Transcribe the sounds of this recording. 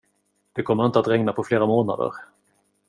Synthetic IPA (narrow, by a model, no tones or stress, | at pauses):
d̪̥ɛkʰɔmːəɾɪnt̪əat̪ɾɛŋnapʰɔfleːɾamoːna̰d̪ə̰ɾ